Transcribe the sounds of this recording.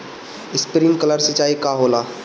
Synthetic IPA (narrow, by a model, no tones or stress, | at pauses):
ɪspɾĩŋkɐləɾsət͡ʃaːikaɦoːlaː